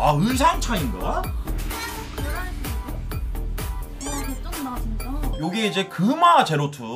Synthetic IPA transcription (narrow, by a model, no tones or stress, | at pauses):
aɯɭs̬ʰaŋt͡ɕʰainɡ̰a | asdajoɡiid͡ʑe̞kɯmat͡ɕe̞ɾotʰu